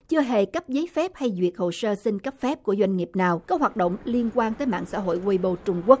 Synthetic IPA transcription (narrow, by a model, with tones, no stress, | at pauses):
t͡ɕɨ˧əɦe˧˩kə˦˥p̚zəː˨˦jfɛ˦˥p̚ha˧jzwi˨˩ət̚ho˨˩səː˧sï˧ŋkə˦˥p̚fɛ˦˥p̚ku˧˩əzwa˧jŋ̟ŋi˨˩əp̚naː˨˩wkɔ˨˦ɦwaː˨˩t̚ɗo̰˧˨wŋ͡mli˧ənkwaː˧nt̪əː˨˦jma̰ː˧˨ŋsa̰ː˧˥ɦo̰˧˨jwi˧jɓo˧˩t͡ɕʊ˧ŋ͡mku˦˥ək̚